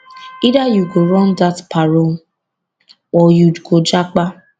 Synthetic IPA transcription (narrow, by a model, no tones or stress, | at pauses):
idajuɡoɾɔ̃ndatpʰaɾo | ɔjuɡod͡ʒak͡pa